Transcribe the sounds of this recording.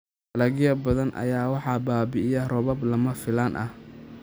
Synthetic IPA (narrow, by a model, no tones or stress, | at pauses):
ɐlɐɣɪjɐbɐðɐnʔɐ̰jaːwɑħɑbaːbɪɪjɐrɔβɐblɐmɐfɪlanʔɐ̰h